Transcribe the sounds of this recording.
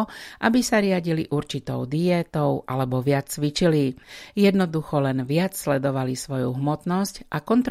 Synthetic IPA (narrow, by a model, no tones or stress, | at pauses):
ʔabisaɾɪaɟiliʔuɾt͡ʃit̪ɔʊd̪iɛːt̪ɔʊʔa̰lɛbɔʋɪat͡st͡sʋit͡ʃilijɛd̪nɔd̪uxɔlɛnʋɪat͡sslɛd̪ɔʋalisʋɔjuɦmɔt̪nɔscʔakɔnt̪ɾ